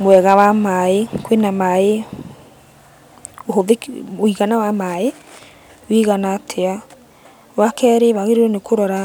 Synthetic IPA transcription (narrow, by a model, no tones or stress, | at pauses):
mwɛɣawamaekwenamae | oɦoðekoiɣanawamae | wiɣanatʰea | wakɛɾeβaɣeɾeɾonekʰoɾɔɾa